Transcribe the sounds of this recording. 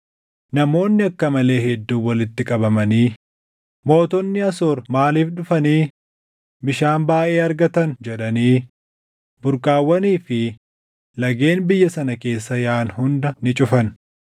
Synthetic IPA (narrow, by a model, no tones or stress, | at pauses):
nɐmo̞ːnːɪɐkːɐmɐle̞ːhɛd̪ːuːwɐlɪt̪ːɪkʼɐbɐmɐniː | mo̞ːt̪ɔnːɪɐsoːɾmaːliːfᶑʊfɐniː | bɪʃaːnbaːʔe̞ːɐɾɡɐt̪ɐnd͡ʒɛᶑɐniː | bʊɾkʼaːwːɐniːfɪ | lɐɡe̞ːnbɪjːɐsɐnɐke̞ːsːɐjaːnhʊnd̪ɐnɪt͡ʃʼʊfɐn